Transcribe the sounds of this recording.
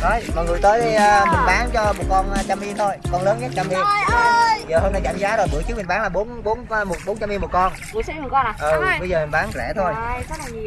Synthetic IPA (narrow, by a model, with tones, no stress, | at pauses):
nɔ˨˦jmɔ̰˨˩jŋɨ˨˩əjt̪əː˨˦jmï˨˩ŋ̟ɓaː˨˦nt͡ɕɔ˧mo˨˩t̚kɔ˧nː˧t͡ɕa˧mʔi˧t̪ʰo˧jkɔ˧nləː˨˦nka˦˥t̚t͡ɕa˧mːʔi˧əm˧zəː˨˩ho˧na˧jkaː˧˩mzaː˨˦zo˨˩jɓɨ˧˩əjt͡ɕɨ˦˥k̚mi˨˩ŋ̟ɓaː˨˦ŋlaː˨˩ɓo˨˦nɓo˨˦nː˧mo˨˩t̚ɓo˨˦nt͡ɕa˧mːi˧mo˨˩t̚kɔ˧n | ɨ˧˩si˨˦˥mu˨˩kɔ˧n˨˩ʔɨ˨˩ɓə˧jzəː˨˩mi˨˩n̟ɓaː˨˦nzɛ̰˧˩t̪ʰo˧jkɔ˨˦a˨˩ɲ˨